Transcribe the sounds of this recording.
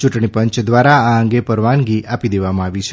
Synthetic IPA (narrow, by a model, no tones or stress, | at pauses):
t͡ʃuʈɳipəɲt͡ʃd̪ʋaɾaaəŋɡepəɾʋanɡiʔapid̪eʋamãaʋit͡ʃʰe